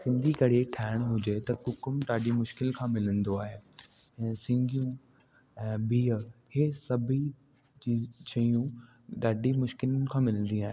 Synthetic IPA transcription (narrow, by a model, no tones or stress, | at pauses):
sɪ̃nd̪ʱikɐɽeʈʰaːɪɽ̃ɦʊd͡ʑet̪ɐkʊkʊmɗaːɖimʊʃkɪlkʰãːmɪlə̃nd̪oaːɦe | ɛ̃ːsɪ̃ŋɡʱijũ | ɛ̃ːbiːəhesɐbʱi | t͡ɕiːt͡ɕɐijũ | ɗaːɖʱimʊʃkɪlən̆kʰãːmɪlə̃nd̪ĩaːɦe